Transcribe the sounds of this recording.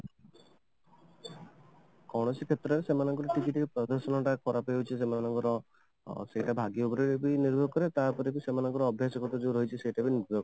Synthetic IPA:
kɔɽ̃ɔsikʰet̪ɾɔɾesemanɔŋkɔɾɔʈikiʈɾpɾɔd̪ɔɾsɔnɔʈakʰɔɾapeot͡ʃʰisemanɔŋkɔɾɔ | sejʈabʱaɡiubɾeɾebiniɾbʱɔɡkɔɾet̪aɾpɔɾikusemanɔŋkɔɾɔːbʱjasɔɡɔʈ̪ɔd͡ʒeɾɔɦjt͡ʃʰisejʈabiniɾbʱɔɡ

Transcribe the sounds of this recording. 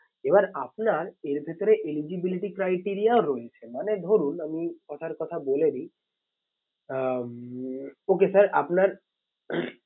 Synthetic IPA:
ebaɾapnaɾeɾbʱet̪oɾeʔelid͡ʑibiliʈikɾajʈiɾiaoɾɔet͡ɕʰemaned̪ʱoɾunamikɔt̪ʰaɾkɔt̪ʰaboled̪i | okesəɾa̰pnaɾ

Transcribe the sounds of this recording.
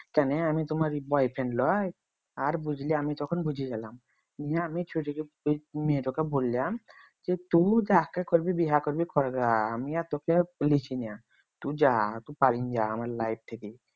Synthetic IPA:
kɛneamit̪omaɾbɔjpʰenlɔj | aɾbud͡ʑʱliamit̪ɔkʰonbud͡ʑʱiɡɛlam | niaamit͡ʃʰuʈike | meʈokeboljam | d͡ʒet̪ũd͡ʒakːakoɾbibiɦakoɾbikɔɾɡaamiat̪okelikʰinɛa | t̪ũd͡ʑat̪ũpaɾind͡ʒaamaɾlajp̚t̪ʰeke

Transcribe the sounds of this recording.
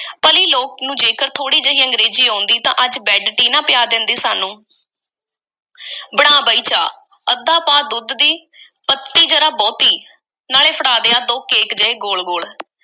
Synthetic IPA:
pəliːloːk̚nũːd͡ʒeːkəɾt̪ʰoːɽiːd͡ʒəiːəŋɡɾeːd͡ʒiːɦõːnd̪iːt̪ã̰ːʔəd͡ʒbɛːɖʈiːnãːpɪjaːd̪ɪ̃nd̪eːsaːnũː | bəɽ̃aːbəːiːt͡ʃaː | əd̪ãːpaːd̪ʊd̪d̪iː | pət̪ːiːd͡ʒəɾaːbɔːt̪iː | naːleːpʰəɽaːd̪eːaːd̪oːkeːkd͡ʒəeːɡoːlɡoːɭ

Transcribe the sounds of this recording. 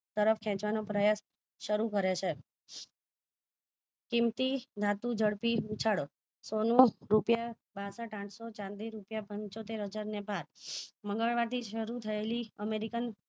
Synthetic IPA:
t̪əɾəfʰkʰɛ̃t͡ʃʋanopɾəjas | ʃəɾukəɾet͡ʃʰe | kimt̪id̪ʱat̪ũd͡ʒəɽpiut͡ʃʰaɽo | sonũɾupja | basəʈãʈʰsot͡ʃãnd̪iɾupjapəɲt͡ʃot̪eɾɦəd͡ʒaɾnebʱaɾməŋɡəɭʋat̪ʰiʃəɾut̪ʰəeliəmeɾikən

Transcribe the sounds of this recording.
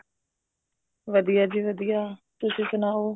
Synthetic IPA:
ʋəd̪ijaːd͡ʒiːʋəd̪ijaːt̪ʊsisʊnaːoː

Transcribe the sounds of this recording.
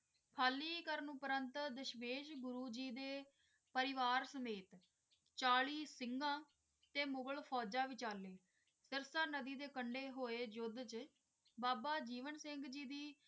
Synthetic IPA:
pʰaːlːiːkəɾnũːpəɾənt̪d̪əʃmeːʃɡʊɾuːd͡ʒiːd̪eː | pəɾɪʋaːɾsəmeːt̪ | t͡ʃaːɭiːsɪŋɡãː | t̪eːmʊɡəɭpʰɔːd͡ʒãːʋɪt͡ʃaːlːeː | sɪɾsãːnəd̪iːd̪eːkəɳɖeːɦoːeːd͡ʒʊd̪t͡ʃ | baːbaːd͡ʒiːʋənsɪŋɡd͡ʒiːd̪iː

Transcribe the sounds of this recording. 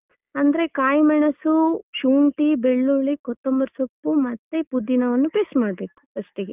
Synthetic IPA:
ɐnd̪ɐɾe̞kaːjmɐɳɐsuʃuːɳʈibeɭːuɭikot̪ːombɐɾsopːumɐt̪ːepud̪ːinɐʋɐnːupeːsmaːɽbe̞ːku̥kɐsʈeɡe

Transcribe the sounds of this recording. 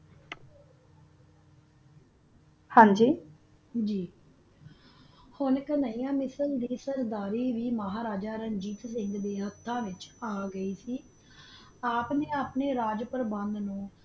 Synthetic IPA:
hãːɲd͡ʒiː | d͡ʒiː | hʊnkənaiːjãːmɪsəld̪iːsəɾd̪aːɾiːʋiːməɦaːɾaːd͡ʒaːɾəɲd͡ʒiːt̪sɪ̃ŋɡd̪eːɦət̪ʰːãːʋɪt͡ʃaːɡəiːsiː | aːpneːaːpneːɾaːd͡ʒpəɾəbənd̪nũː

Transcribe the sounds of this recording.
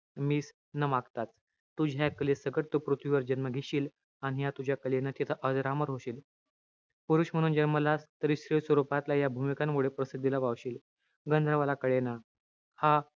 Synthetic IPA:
miːs | nəmaɡt̪at͡s | t̪ːud͡ʑʱjakəlesəɡəʈt̪upɾut̪ʰʋiʋəɾd͡ʑənməɡʱiɕiːl | aɽ̃ijat̪ud͡ʑʱjakəlenat̪it̪ʰəʔəd͡zɾaməɾɦoɕiːl | puɾuɕm̤əɽ̃uːnd͡ʑaɾməlast̪əɾisɾiʋsʋəɾupat̪lajabʱumikanmoɽepɾəsid̪ʱːilaʋaʋɕiːl | ɡənd̪ʱɾəʋalakəɽena | ha

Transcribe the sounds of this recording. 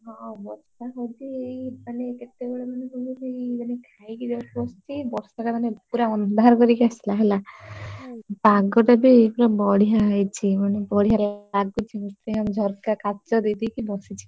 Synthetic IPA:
ɦɔ̃bɔt͡ʃʰaɦɔd̪iejmaneːket̪ːebeɭemaneɦulebimanekʰajkid̪eɔst͡ʃʰibɔɾsaʈamanepuɾaɔnd̪ʱaɾkɔɾikaslaɦela | baɡɔʈabikuɾabɔɽiɦaɦɔjt͡ʃʰimanebɔɽiɦaɾeaɡut͡ʃʰimut̪ɾeamd͡ʒʱɔɾkakat͡ʃɔd̪ed̪ikibɔsit͡ʃʰi̥

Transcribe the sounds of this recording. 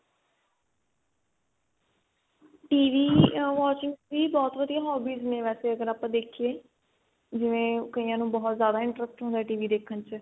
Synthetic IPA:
ʈiːʋiːʋɔːt͡ʃɪ̃ŋɡʋiːbɔːt̪ʋəd̪ijaːɦɔːbiːznẽːʋɛːseːəɡəɾaːpãːd̪eːkʰijeː | d͡ʒɪʋẽːkəijãːnũːbɔːt̪zjaːd̪aːɪ̃ɳʈɾəsʈɦõnd̪aɛːʈiːʋiːd̪eːkʰənt͡ʃ

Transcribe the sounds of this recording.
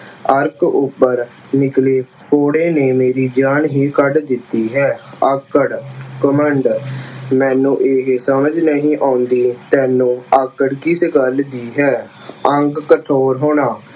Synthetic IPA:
əɾkʊpːəɾ | nɪkleː | pʰoːɽeːneːmeːɾiːd͡ʒaːnɦiːkəɖd̪ɪt̪ːiːɦɛːəkəɽkəməɳɖmɛ̃ːnũːʔeːɦsəməd͡ʒnəɦĩːʔaːʊnd̪iːt̪ɛːnũːəkːəɽkisɡəld̪iːɦɛː | əŋɡkəʈʰoːɾɦoːɳaː

